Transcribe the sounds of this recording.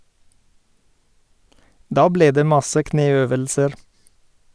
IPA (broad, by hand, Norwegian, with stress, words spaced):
ˈdɑː ˈbleː ˈdeː ˈmɑsə ˈkneːˌøːʋəlsəɾ